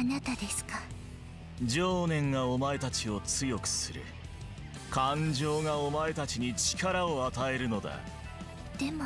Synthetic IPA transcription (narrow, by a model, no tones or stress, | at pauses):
anat̪ad̪esɨ̥ka | d͡ʑo̞ːnẽ̞ŋɡao̞mae̞t̪at͡ɕio̞t͡sɨjo̞kɯ̟̥sɨɾɯ̟̰ | kʰãɲ̟d͡ʑo̞ːɡaomae̞t̪at͡ɕiɲ̟it͡ɕi̥kaɾaoat̪ae̞ɾɯ̟no̞d̪a̰ | d̪̥e̞mo